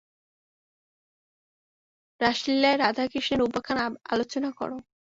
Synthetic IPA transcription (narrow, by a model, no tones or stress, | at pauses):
ɾaʃilːaeɾad̪ʱakiʃeɾubakʰana̰lot͡ɕonakɔ̰ɾo